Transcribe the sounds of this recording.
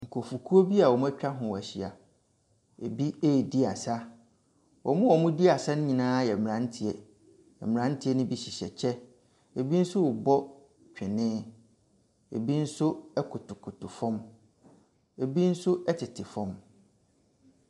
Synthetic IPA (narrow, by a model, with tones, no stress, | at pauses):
ŋ̩˨kʰo˨fu˨kʰu˦o˦bi˦a˨wɔ˨mʊ̃˦æ˦t͡ɕᶣa˦ɦʊ̃˨wæ˨ɕi˨a˨ | ḛ˨bi˦e˦i˨di˦a˨sa˦ | wɔ̰˨mʊ̃˦wɔ˨mʊ̃˦di˦a˨sa˦nʊ̃˦ɲĩ˨nãː˦jɛ˨m˨ɾã˦n̩˦tʰi˨ɛ˨ | ɛ̰˨m˨ã˨˦n̩˦tʰi˨ɛ˦nʊ̃˦bi˦ɕi˨ɕɛ̰˨t͡ɕʰɛ˦ | e˨bi˦n̩˦sʊ˦wʊ˨bɔ˦ | t͡ɕᶣʰɪ̃˨nɪ̃˦ | ḛ˨bi˦n̩˦sʊ˦ɛ˦kʰʊ˨tʰʊ˨kʰʊ˨tʰʊ˨fɔ̃˦m | e˨bi˦n̩˦sʊ˦ɛ˦tʰɪ˨tʰɪ˨fɔ̃˦m